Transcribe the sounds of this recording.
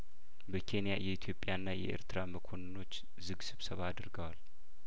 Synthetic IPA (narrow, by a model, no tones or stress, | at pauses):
bəkʰe̞nijajɛit̪ʰjo̞pʼjanːajɛ̰ʔḛɾt̪ʰɨɾaməkʰonɨno̞t͡ʃː | zɨɡsɨβsəβad̪ɾɡəwal